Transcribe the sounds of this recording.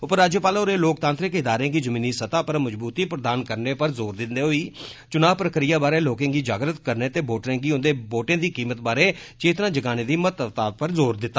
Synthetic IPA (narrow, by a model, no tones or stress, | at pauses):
ʊpəɾaːd͡ʒjoːpaːloːɾeːloːkt̪ãːnt̪ɾɪkɪd̪aːɾẽːɡiːd͡ʒəmĩːniːsət̪aːpəɾməd͡ʒbuːt̪iːpɾəd̪aːnkəɾneːpəɾzoːɾd̪ɪnd̪eːɦoːiːt͡ʃʊnaːpɾəkɾɪjaːbaːɾeːloːkẽːɡiːd͡ʒaːɡɾət̪kəɾneːt̪eːboːʈɾẽːɡiːʊnd̪eːboːʈẽːd̪iːkiːmət̪̚baːɾeːt͡ʃeːt̪ɾãːd͡ʒəɡaːnẽːd̪iːmət̪ət̪aːpəɾzoːɾd̪ɪt̪ːaː